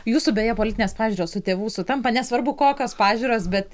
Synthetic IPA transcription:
juːsuːbʲeːjɛpoːlʲɪt̪ʲɪnʲeːspɑːʒʲuːɾoːsʊt̪ʲeːʋuːsʊt̪ɐmpɐnʲɛsʋɐrbʊkoːkʲoːspɑːʒʲuːɾoːsbʲɛt̪

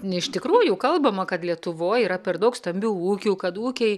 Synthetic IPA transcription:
ɪʃt̪ʲɪkɾuːjʊkɐlˠbɐmɐkɐt̪lʲiɛt̪ʊʋoːjiːɾɐpʲɛrd̪ɐʊkst̪ɐmʲbʲuːuːkʲuːkɐt̪uːkʲɛɪ

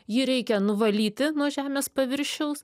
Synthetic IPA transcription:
jiːɾʲɛɪkʲɛnʊʋɐlʲiːt̪ʲɪnuɔʒʲæːmʲeːspɐʋʲɪɾʲʃʲɛʊs

